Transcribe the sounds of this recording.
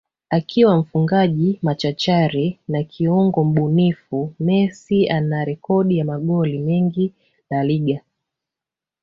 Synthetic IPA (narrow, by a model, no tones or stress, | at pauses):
akʰiwam̩fuŋɡaʄimat͡ʃat͡ʃaɾinakʰiuŋɡɔm̩ɓunifumɛsianaɾɛkɔɗijamaɠɔlimɛŋɡi | laliɠa